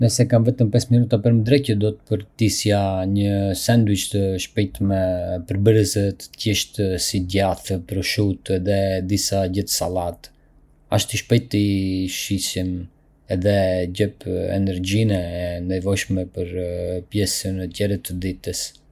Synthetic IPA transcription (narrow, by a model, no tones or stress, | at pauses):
nəsɛkanvɛt̪əmpɛsminut̪apəɾməd̪ɾɛcəd̪ɔt̪̚pəɾt̪isjaɲəsɛnd̪ut͡ʃt̪əʃpɛjt̪mɛpəɾbəɾəzət̪əcɛʃt̪əsiɟaθəpɾuʃut̪ɛðɛd̪isaɟəθsalat̪ | a̰ʃt̪iʃpɛjt̪ːiʃisim | ɛðɛɟɛpɛ̰nɛɾɟinɛɛnd̪ɛvɔjʃmɛpəɾpjɛsənət̪ɛɾət̪ːəd̪it̪əs